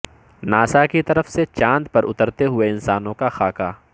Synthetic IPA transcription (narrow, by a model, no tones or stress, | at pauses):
naːsakit̪ɐɾəfset͡ʃãːnd̪pɐɾʊt̪əɾt̪eɦʊeɪnsaːnõkaxaːkaː